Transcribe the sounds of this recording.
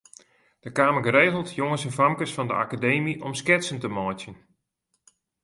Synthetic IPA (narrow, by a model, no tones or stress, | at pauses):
d̥əkaːməɡəɾeːɣəlˠtʰjoŋəsɛnfamkəsfɑndə̰ʔakadejmiʔɔmskɪtsəntəmɔːtjən